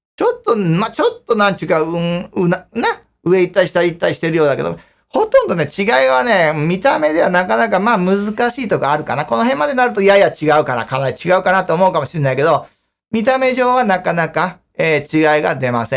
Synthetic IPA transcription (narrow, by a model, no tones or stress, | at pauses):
t͡ɕo̞t̪ːo̞mat͡ɕo̞t̪ːo̞nãnt͡ɕɨkanana | ɯ̟e̞it̪ːaiɕi̥t̪aɾʲiit̪ːaɾiɕi̥t̪e̞ɾɯjo̞ːd̪ake̞̰d̪o̰ | ho̞t̪õnd̪o̞ne̞t͡ɕiɡaiβane̞mʲit̪ame̞d̪e̞βanakanakamaːmɯ̟zɨkaɕiːt̪o̞kaːɾɯ̟ka̰nako̞no̞ɦẽmːad̪e̞naɾɯt̪o̞jajat͡ɕiɡaɯ̟kana̰kʰanait͡ɕiɡaɯ̟kanat̪ːeoomo̞ɯ̟kamo̞ɕienaike̞d̪o̞ | mʲit̪ame̞ʑo̞ːβanakanaka | eːt͡ɕiɡaiɡa̰d̪e̞ma̰sẽ